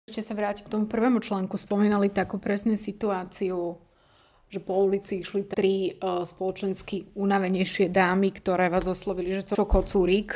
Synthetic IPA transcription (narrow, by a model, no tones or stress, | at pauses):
ʃcɛsaʋɾaːcikt̪ɔmupr̩ʋɛːmut͡ʃlaːŋkuspɔmiːnalit̪akuːpɾɛsɲɛsit̪uaːt͡siu | ʒ̥ɛpɔulit͡siiʃlit̪ɾispɔlɔt͡ʃɛnskiunaʋɛɲɛjʃɪɛd̪aːmikt̪ɔɾɛːʋaːzɔslɔʋiliʒɛt͡sɛɔkɔt͡suɾik